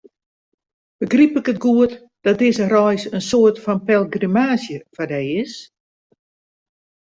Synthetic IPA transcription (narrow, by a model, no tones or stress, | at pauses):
b̥əɡripɪkətɡuət | d̥ɔt̚dɪzərɔjsənsoərtfɔnpɛlˠɡrimaːsjəfadɛjɪs